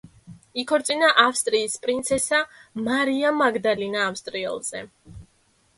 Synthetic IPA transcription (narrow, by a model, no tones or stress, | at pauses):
ikʰɔɾt̪sʼinaʔafst̪ʼɾiːspʼɾint̪sʰɛsamaɾiamaɡd̪alinaːfst̪ʼɾiɛ̰lˠz̥ɛ̰